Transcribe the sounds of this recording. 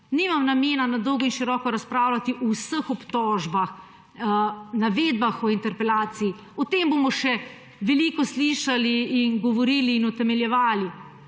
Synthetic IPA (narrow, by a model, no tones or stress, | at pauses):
niːmamnameːnanad̪ɔwɡɔinʃiɾɔːkɔɾaspɾaːwlat̪iʔɔwsəxɔpt̪ɔːʒbax | naʋeːd̪̚baxɔint̪ɛɾpɛlaːt̪siː | ɔt̪eːmbomɔʃɛ | ʋɛlikɔsliːʃaliːnɡɔʋɔɾiːliːnɔt̪ɛmɛljɛʋaːli